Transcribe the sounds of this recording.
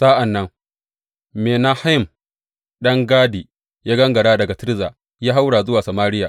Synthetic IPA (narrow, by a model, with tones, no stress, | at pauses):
saː˦ʔa˨nːɐ˦ŋ | meː˨na˦ha˦ɪ˦˨m | ɗɐ˦ŋɡaː˦di˨ | jaː˦ɡɐ˦ŋɡɐ˨ɽaː˦dɐ˨ɡa˨tɪ˦ɾzaː˨ | jaː˦ɦa˦wɽaː˨zʊ˦waː˨sa˨maː˦ɾɪ˦jaː˨